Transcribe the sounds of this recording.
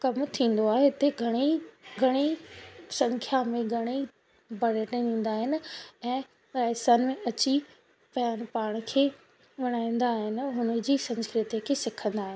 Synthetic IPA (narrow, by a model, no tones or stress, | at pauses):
kɐmt̪ʰĩːn̆d̪oaːɦeɪt̪eɡʱɐɽ̃iɡʱɐɽ̃isɐ̃ŋkʰjamẽɡʱɐɽ̃i | bɐɽeʈẽd̪ĩːn̆d̪aːɦɪnɪ̆ɛ̃ː | ɾaːɦsaːnmẽɐt͡ɕi | pɐjaːñpaːɽ̃kʰeː | ʋɐɽ̃aːĩnd̪aːɦɪnɦʊnə̆d͡ʑiːsɐ̃nskɾɪt̪ikʰeːsɪkʰə̃nd̪aːɦɪnɪ